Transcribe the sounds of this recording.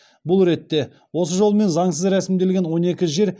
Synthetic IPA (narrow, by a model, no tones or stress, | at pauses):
bʊlˠɾe̞t̪ːe̞ | wo̞səʒolˠəme̞nzɑɴsəzɾæsɪmd̪e̞lɡʲe̞nwo̞ne̞kʲɪʒe̞ɾ